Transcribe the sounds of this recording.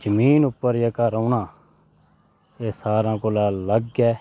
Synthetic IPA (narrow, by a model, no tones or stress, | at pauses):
d͡ʒəmiːnʊpːəɾjeːkəɾoːnãː | eːsaːɾãːkolaːləɡːɛː